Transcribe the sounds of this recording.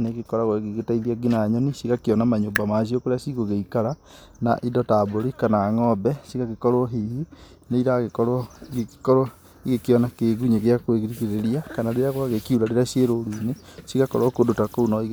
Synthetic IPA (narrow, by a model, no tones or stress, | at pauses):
neɣekɔɾaɣwaɣeɣetaiðiaɡinaːɲɔnisiɣakiɔnamaɲoːmbamaʃ̬iokoɾeasiɣoɣeikaɾa | na̰ʔidɔtaboɾikanaːŋɔbɛsiɣaɣekɔɾwɔɦihi | neiɾaɣekɔɾɔiɣekkɔɾwɔ | iɣekiɔnakeɣuɲeɣeakweɣiɾikiɾeɾiakanaɾeɾaɣwaɣekiuɾaɾeɾasjeɾoɾunesiɣakɔɾwɔkodotakounɔiɣ